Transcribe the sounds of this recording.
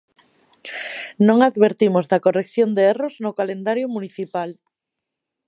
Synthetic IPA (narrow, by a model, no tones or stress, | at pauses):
nõŋaðβeɾt̪imozðakorekθjond̪eeroznokalend̪aɾjomuniθipal